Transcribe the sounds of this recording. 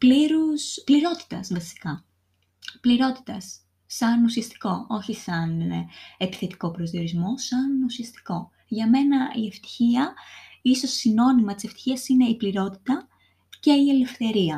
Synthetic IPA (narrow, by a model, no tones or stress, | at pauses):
pliɾuspliɾo̞t̪i̥t̪ɐsvɐsi̥kɐ | pliɾo̞t̪i̥t̪ɐsː | ɐnusiɐst̪i̥ko̞ʔo̞çisɐne̞pi̥θe̞t̪i̥ko̞pɾozðio̞ɾizmo̞sɐnusiɐst̪i̥ko̞ | ʝɐme̞nɐieft̪i̥çiɐiso̞sino̞nimɐt̪iseft̪i̥çiɐsine̞ipliɾo̞t̪i̥t̪ɐ | ce̞ie̞le̞fθe̞ɾiɐ